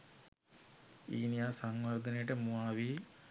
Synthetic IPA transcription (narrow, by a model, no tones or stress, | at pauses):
iːnjaːsɐŋʋɐrd̪ʱɐnɐjʈemuaːʋi